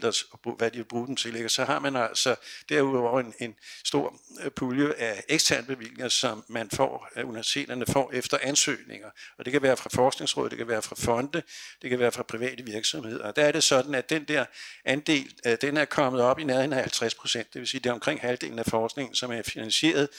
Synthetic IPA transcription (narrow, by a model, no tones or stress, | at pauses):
lɐsb̥uʋædiʋeb̥ʁuːd̥emt͡sʰe̝leɡ̥ɐsɒ̽hɑ̈mænæl̰sɒ̽d̥æɐuðˠɒʊ̰ene̝nsd̥o̝ɐ̰ | pʰuljəʔæeɡ̥st͡sʰæɐnəb̥e̝ʋil̰e̝ŋɐsɒ̽mːænfɒ̰ːuniʋæɐsi̥t͡sʰe̝̰ːd̥ɐnəfɒ̰ːefd̥ɐʔænsø̰ːne̝ŋɐɒ̽d̥e̝kʰæʋæːɐfʁɑ̈fɒːsɡ̥ne̝ŋsʁɔ̰ːð̰ˠd̥e̝̥kʰæʋæːɐfʁɑ̈fɒ̽nd̥əd̥e̝kʰæʋæːɐfʁɑ̈pʰʁiʋɛ̰ːd̥əʋiɐɡ̥sɒ̽mhe̝ð̞̰ˠɐɒ̽d̥ææɐɾ̥e̝sɒ̽d̥n̩æ̥end̥ɛɐʔænd̥e̝̰ːld̥enæɐkʰɒ̽məð̞̩ˠɒ̽b̥inæðˠenæhælt͡sʰʁaspʰʁo̝̥sen̰d̥e̝ʋe̝siːd̥e̝ɒ̽mkʰʁeŋ̰hæld̥e̝̰ːln̩æfɒːsɡ̥ne̝ŋn̩sɒ̽mæɐfinænɕie̝̰ːɐð̞ˠ